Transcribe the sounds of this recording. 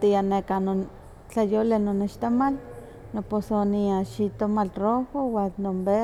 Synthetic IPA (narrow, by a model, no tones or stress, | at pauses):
t̪ianekano | t͡ɬajolenoneʃt̪omal | noposoniaʃit̪omalrohowanombe